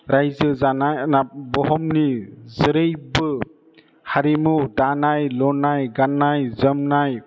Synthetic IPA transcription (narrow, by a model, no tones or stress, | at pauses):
ɾajzɯzanajnabɔɦɔmnizəɾɯjbɯ | haɾimudanajlɔnajɡanajzəmnaj